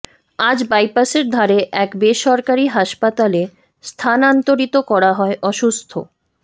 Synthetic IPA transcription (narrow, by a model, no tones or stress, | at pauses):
ad͡ʑbajpaseɾd̪ʱaɾeʔɛkbeʃɔɾkaɾiɦaʃpat̪ale | st̪ʰanant̪oɾit̪okɔɾaɦɔeʔɔʃust̪ʰo̰